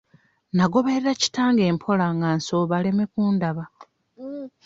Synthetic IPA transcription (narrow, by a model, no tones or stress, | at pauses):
naɡo̞βeeɾaci̥taːŋɡe̞ːmpʰo̞laŋɡansoːβale̞me̞kuːndaβa